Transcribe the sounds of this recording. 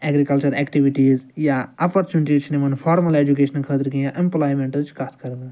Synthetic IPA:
ɛɡɾikɐlt͡ʃɐɾɛːkʈiʋiʈiːzjaɐpɐɾt͡ʃunɪʈiːzt͡ʃʰnemɐnfʰaːɾmɐleːd͡ʒuk̬eːʃɐnkʰəːt̪iɾkĩjãʔẽmplaːjmẽɳʈɐt͡ʃʰkaːt̪ʰkɐɾɡ

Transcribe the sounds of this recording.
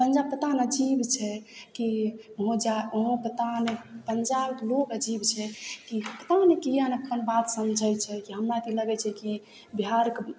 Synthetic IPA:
pənd͡ʒab̚pːət̪anəd͡ʒibt͡ʃʰɛkiɦõd͡ʒaɦõpət̪anepənd͡ʒabklokəd͡ʒibt͡ʃʰɛkipət̪anekijanəpkʰənbat̪səmd͡ʒʱəjt͡ʃʰɛkiɦəmɾat̪iləɡɛt͡ʃʰɛki | biɦaɾk

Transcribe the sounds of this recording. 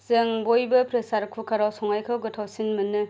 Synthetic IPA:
zɯŋbojbɯpɾesaɾkʰukʰaɾawsɔŋajkʰɯwɡɯtʰawsinmɯnɯ

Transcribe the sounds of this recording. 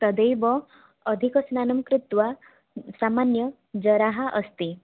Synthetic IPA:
t̪ɔd̪ejbɔː | d̪ʱikɔsnanɔmkɾɪt̪wa | samanjɔ | d͡ʒɔɾaɦaʔʌst̪i

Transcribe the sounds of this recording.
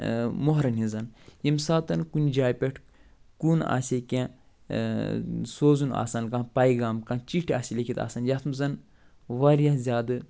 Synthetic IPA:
moɦɾɐnɦizɐnjimsaːt̪ɐnkunʲd͡ʒaːjpʲeʈʰ | kuna̰sʲekʲẽ | soːzuna̰ːsɐnkãpɐjɡaːmkaːt͡ʃiʈʰiaːsʲilʲekʰit̪a̰ːsɐnjat̪ʰmzɐn | ʋɐɾjazʲaːd̪ɨ

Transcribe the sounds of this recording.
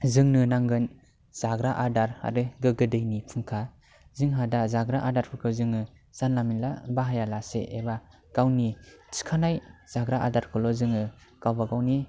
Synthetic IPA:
zɯŋnɯnaŋɡɯn | z̥aɡɾaʔadaɾa̰ɾɯɡɯɡɯdɯjnipʰɯŋkʰa | zɯŋɦadazaɡɾaʔadaɾpʰɯkʰɯzɯŋɯ | z̥anlaminlabaɦajalasḛʔeba | kawnit͡ʃʰi̥kʰanajz̥aɡɾaʔa̰daɾkʰɯlɔzɯŋɯkawbaɡawni

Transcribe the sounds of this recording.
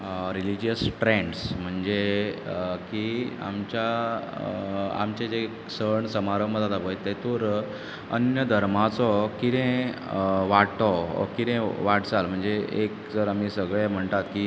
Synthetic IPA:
ɾilid͡ʑijəsʈɾẽɳɖsm̤əɳd͡ze | kia̰mt͡ɕja | a̰mt͡ɕed͡ze | səɳsəmaɾəməd̪ad̪aʋəjt̪ːet̪oɾ | ə̰njəd̪ʱəɾmat͡sɔkiɾẽ | ʋaʈɔkit̪ẽʋaʈd͡zalm̤əɳd͡zeekd͡zəɾam̤isəɡɭem̤əɳt̪at̪ki

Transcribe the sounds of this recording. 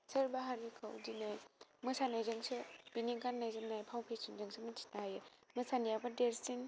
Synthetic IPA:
sɐɾbaɦaɾikʰawdinajmɯsanajzɯŋsɯb̥iniɡanːajzɯmnajpʰawpʰesɯnzɯŋsʰɯmɯtʰi̥naɦajɯmɯsanijabadeɾsin

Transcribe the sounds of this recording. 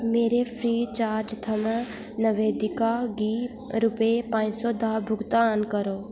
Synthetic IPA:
meːɾepʰɾiːt͡ʃaːɾd͡ʒt̪ʰɐm | nəʋeːd̪ɪkaɡiː | ɾʊpepãːɲsɔd̪ʱaːbʱʊɡt̪aːnkɐɾoː

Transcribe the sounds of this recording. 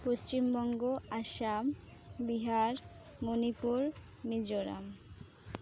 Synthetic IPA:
poʃt͡ɕimbɔŋɡoaʃam | biɦaɾ | monipuɾ | mid͡ʑoɾa̰m

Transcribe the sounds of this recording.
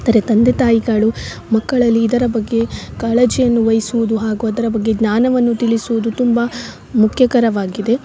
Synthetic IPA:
nd̪ɐɾet̪ɐnd̪et̪aːjiɡaɭu | mɐkːɐɭɐlːiːd̪ɐɾɐbɐɡːe̞kaːɭed͡ʒijɐnːuʋɐjisuʋud̪uɦaːɡuɐd̪ɐɾɐbɐɡːe̞ɡɲaːnɐʋɐnːut̪iɭisuʋud̪ut̪umbɐ | mukʰjɐkɐɾɐʋaːɡid̪e̞

